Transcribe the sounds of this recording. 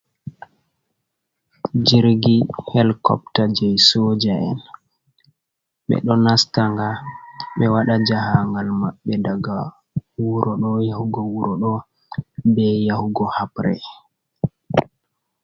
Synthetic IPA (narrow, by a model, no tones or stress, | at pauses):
d͡ʒiɾɡihɛlkɔ̰ptad͡ʒɛjsod͡ʒaɛ̰n | ɓɛ̰ɗɔnastaŋɡaɓɛwaɗad͡ʒahaŋɡalmaɓːɛdaɡa | wuɾʔɔɗɔjahuɡɔwuɾɔɗɔ | bɛjahuɡɔhapɾɛ